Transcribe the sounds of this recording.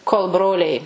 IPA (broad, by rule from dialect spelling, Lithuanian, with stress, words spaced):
koːlˠ ˈbroːlʲɛɪ